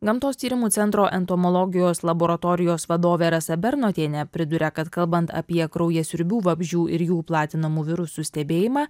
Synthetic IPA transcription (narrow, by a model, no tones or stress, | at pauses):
ɡɐmt̪oːst̪ʲiːɾʲɪmuːt̪sʲɛnt̪ɾoːʔɛnt̪omɔlˠɔːɡʲɪjoːslˠɐboːɾɐt̪ɔːɾʲɪjoːsʋɐd̪oːʋʲeːɾɐsɐbʲɛɾnoːt̪ʲeːnʲɛpʲɾʲɪd̪ʊɾʲɛkɐt̪kɐlˠbɐnt̪ɐ̰pʲiɛkɾɐʊjɛsʲʊɾʲbʲuːʋɐbʲʒʲuːʔɪɾjuːplˠɑːt̪ʲɪnɐmuːʋʲɪɾʊsuːsʲt̪ʲɛbʲeːjɪmɑː